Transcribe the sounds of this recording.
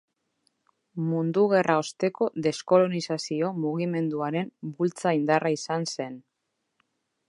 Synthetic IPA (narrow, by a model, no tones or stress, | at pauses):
mund̪uɣ̞e̞rao̞st̪e̞ko̞ðe̞sko̞lo̞nisasio̞muɣ̞ime̞nd̪uaɾe̞mbult͡saind̪araisanse̞n